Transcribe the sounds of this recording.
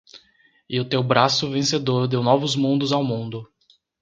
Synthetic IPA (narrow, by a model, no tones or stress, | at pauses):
ɪʊt̪ewbɾasʊvẽsed̪oɾd̪ewnɔvʊzmũnd̪ʊzawmũnd̪ʊ